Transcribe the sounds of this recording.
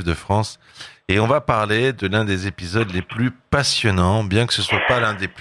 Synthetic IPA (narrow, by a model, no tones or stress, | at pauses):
vd̪əfχɑ̃s | eɔ̃vapaʁled̪əlɛ̃d̪ezepizɔd̪leplypasjɔnɑ̃bjɛ̃kə̥səswapalɛ̃d̪ep